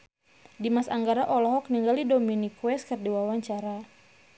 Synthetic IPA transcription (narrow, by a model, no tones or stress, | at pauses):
dimasaŋɡaɾaʔɔlɔɦɔk̚niŋɡalidɔminikuwɛskərdiwawaɲt͡ʃaɾa